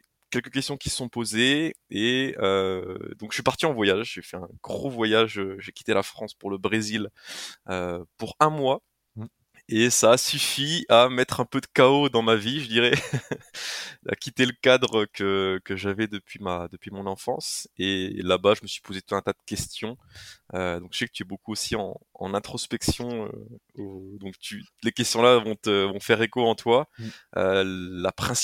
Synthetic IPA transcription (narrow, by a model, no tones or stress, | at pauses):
kʲɛlkək̬ʲɛst̪jɔ̃kʲi̥sə̥sɔ̃pozeeød̪ɔ̃kəsɥipaʁt̪iɑ̃vwajaʒʒefɛɛ̃ɡʁovwajaʒøʒekʲi̥t̪elafχɑ̃spuʁləbʁeziløpuʁɛ̃mwa | esaːsyfiamɛt̪χɛ̃pød̪əkaod̪ɑ̃maviʒəd̪iʁɛ | a̰kʲit̪eləkad̪ʁəkəkəʒavɛd̪əpɥimad̪əpɥimɔ̃nɑ̃fɑ̰̃selabaʒəməsɥi̥pozet̪u̥t̪ɛ̃t̪ad̪əkʲɛst̪jɔ̃ød̪ɔ̃ksɛkət̪yɛbokuosiɑ̰̃ɑ̰̃nɛ̃t̪χɔspɛksjɔ̃ø̰ | od̪ɔ̃kt̪ʰylekʲɛst̪jɔ̃lavɔ̃t̪əvɔ̃fɛʁekoɑ̃t̪waø̰lapχɛ̃s